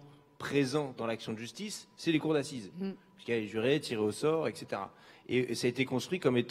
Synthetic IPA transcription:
pχezɑ̃d̪ɑ̃laksjɔ̃d̪əʒyst̪isːɛlekuʁd̪asizpi̥skaleʒyʁet̪ʰiʁeosɔʁɛkset̪eʁa̰esaet̪ekɔ̃st̪χɥikɔmet̪

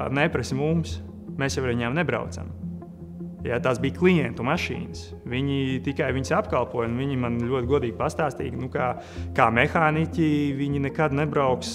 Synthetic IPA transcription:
nɛpɾɛsʲmums | meːsjɛwɾʋiɲaːmnɛbɾa̰wt̪sa̰m | jat̪aːsbiːklˠijɛnt̪umaʃḭːnəs | ʋiɲit̪ikajʋiɲsapkalˠpuɔjnviɲimanʎʲuɔt̪ʲɡuɔd̪iːɡ̥̚past̪aːst̪ḭːɡnukaː | kaːmɛxaːnicʲiviɲinɛkad̪nɛbɾaʊks

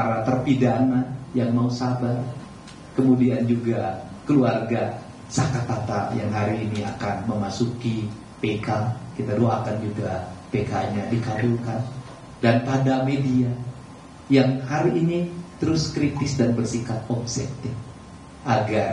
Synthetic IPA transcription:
paɾat̪ərpidaŋanjaŋmausabar | kəmudiand͡ʒuɡakəluarɡa | sakat̪at̪a̰jaŋɦaɾiːniakanməmasuki | pekakit̪adoakand͡ʒuɡapekaɲadikatulkan | danpadamedia | jaŋhaɾiːnit̪əɾʊskɾit̪ɪsdanbərsikat̪̚ɔbsɛk̚t̪ɪk | ʔaɡar

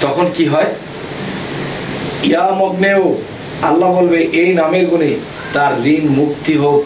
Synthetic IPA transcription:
t̪ɔkʰonkiɦɔe | iamɔɡneo | alːabolbeʔejnameɾɡune | t̪aɾːinmukt̪iɦok

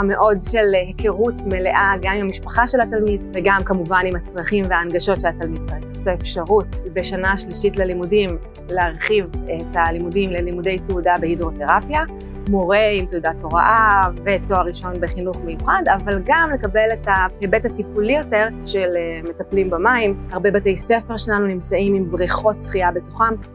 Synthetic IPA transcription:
meʔo̞dʃe̞lhekʰeʁutme̞le̞ʔaɡamimamiʃpaχaʃe̞lhatalmidveɡamkamuvanimat͡sʁaχimveaːnɡaʃo̞tʃelatalmid̚t͡sai | taefʃaʁutbe̞ʃanaːʃliʃitlalimudim | leaʁχivetalimudimlelimude̞jtudabehidʁo̞te̞ʁapja | moʁe̞imteudato̞ʁa̰ʔave̞toaʁiʃo̞nbe̞χinuχmejuχadavalɡamle̞kabe̞letahebethatipulijo̞te̞ʁʃeleme̞taplimbamaimhaʁbebate̞jsefe̞ʁʃelanunimt͡saimimbʁiχo̞tsχiabetu̥χam

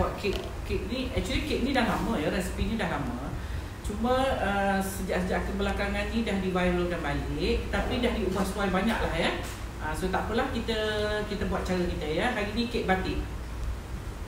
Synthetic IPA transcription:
aʔ̪̚keʔ | keʔ̚niʔɛk̚t͡ʃuəlikeʔ̚nidahlamə̃jaɾɛsi̥pinidahlamə | t͡ʃuməəsəd͡ʒaʔsəd͡ʒaʔkənbəlakaŋannidahdibajlodanbalɪʔ̚t̪apidahdiubahsuajbaɲaʔlahja | əsot̪aʔpəlahkit̪əkit̪əbuat̪̚t͡ʃaɾəkit̪əjaɦaɾinikeʔ̪̚bat̪ɪʔ

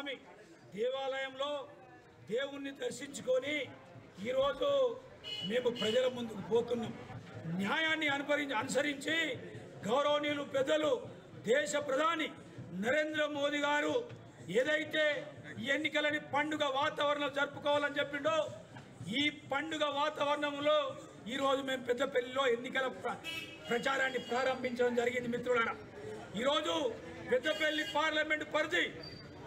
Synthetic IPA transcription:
mi | d̪ɛːʋaːlɐjɐmlo̞ː | d̪e̞ːwunːid̪ɐɾʃiɲt͡ʃukoni | iːɾo̞ːd͡ʒu | me̞ːmupɾɐd͡ʒɐlɐmːund̪ukupo̞ːt̪unːaːmunjaːjaːnːiɐnupɐɾiɐnus̬ɐɾiɲt͡ʃi | ɡɐwɾɐʋɐniːlupɛd̪ːɐlu | d̪ɛːʃɐpɾɐd̪ʱaːni | nɐɾe̞ːnd̪ɾɐmo̞ːd̪iɡaːɾu | eːd̪ɐjt̪e̞ːiːenːikɐlɐnipɐɳɖuɡɐʋaːt̪ɐʋɐɾɐɳɐlud͡ʒɐɾpukɔːʋaːlɐnit͡ʃepːind̪o̞ː | iːpɐɳɖuɡɐʋaːt̪ɐʋɐɾɐɳɐmlo̞ː | iːɾo̞ːd͡ʒume̞ːmupɛd̪ːɐpelːilo̞ːe̞nːikɐlɐ | pɾɐt͡ʃaːɾaːnːipɾaːɾɐmbʱiɲt͡ʃɐɽɐmd͡ʒɐɾiɡind̪imit̪ɾulɐnɐ | iːɾo̞ːd͡ʒu | pɛd̪ːɐpe̞lːipaːɾlɐme̞ɳʈpɐɾt̪i

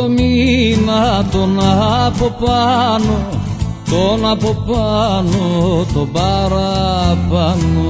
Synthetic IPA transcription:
omimaɦat̪onaɦapopano | t̪onapopanot̪obaɾapano

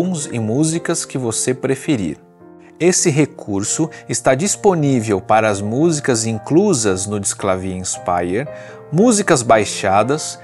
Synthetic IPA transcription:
w̃zɪ̰muzikɐskɪvosepɾefeɾḭɾ | esɪɦekʰuɾsʊɪst̪ad͡ʒisponivewpaɾɐːzmuzikɐzĩŋkluzɐznʊd͡ʒɪsklavĩspa̰jeɾ | muzikɐzbajʃad̪ɐs

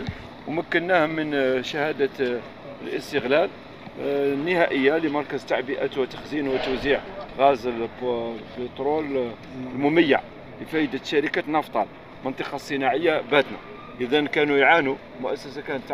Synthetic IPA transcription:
l | wməkːənːæhmənʃəhæd̪ə | lʔə̰st̪əɣlæl | nːəhæʔəjːaləmɑɾˤkəzt̪ːaʕbəʔæt̪wət̪ːə̥xzinwət̪əwziʕɣæzəl | bət̪ˤɾol | əlmʊməjːə̰ʕ | ləfæjəd̪əʃæɾəkæt̪nɑft̪ˤɑl | mənt̪ˤɑqɑsˤːənaʕəjːabæd̪na̰ | ʔəd̪ænkænujʕanu | mʊʔæsːəsakænət̪ː

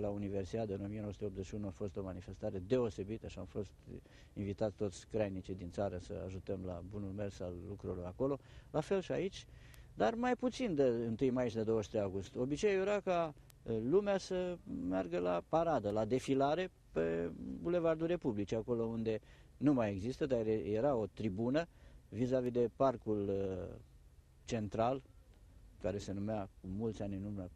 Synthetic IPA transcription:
launive̞rsit̪at̪ɨno̞mienosut̪eo̞pzeʃiunuafo̞st̪o̞manife̞st̪aɾe̞d̪e̞o̞se̞bit̪əʃiamfo̞st̪ | invit̪at̪sʲt̪o̞t̪sʲkɾajnit͡ʃid̪int̪saɾəsə̰a̰ʒut̪əmla̰bunulme̞rsalːukɾulujako̞lo̞lafe̞lʃiait͡ʃʲd̪armajput̪sind̪eɨnt̪ɨjmajʃd̪ed̪o̞wəʃ̬t̪ɾejaɡust̪o̞bit͡ʃejeɾaka | lumeasəmearɡəlapaɾad̪əlad̪e̞filaɾe̞ | pebule̞vard̪uɾe̞publit͡ʃeako̞lo̞und̪e̞ | numaje̞ɡzist̪əd̪aeje̞ɾao̞t̪ɾibunəvizavid̪e̞parkul | t͡ʃe̞nt̪ɾal | kaɾe̞se̞numeakumult̪sʲanʲɨnumə

